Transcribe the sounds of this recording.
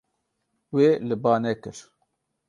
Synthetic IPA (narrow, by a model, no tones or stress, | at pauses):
weːlɨbaːnɛkɨɾ